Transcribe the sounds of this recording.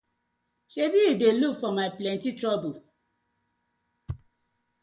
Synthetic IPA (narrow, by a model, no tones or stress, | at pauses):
ʃebidelukfɔmaɪplɛ̃ntitɾɔbu